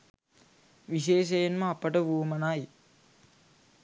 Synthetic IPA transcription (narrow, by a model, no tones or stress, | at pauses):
ʋiʃeːʃ̬ejenməapəʈəʋuəmənaːji